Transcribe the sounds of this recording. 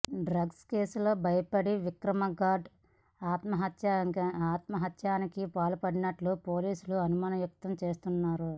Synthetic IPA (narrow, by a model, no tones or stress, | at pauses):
ɖɾɐɡske̞ːsulo̞ːbʱɐjɐpɐɽiʋikɾɐmɐɡaːɖ | aːt̪mɐɦɐt̪jaaːt̪mɐɦɐt̪jaːnikipaːlupɐɽinɐʈlupo̞ːliːsuluɐnumaːnɐʋjuk̚t̪ɐmt͡ʃe̞ːst̪unːaːɾu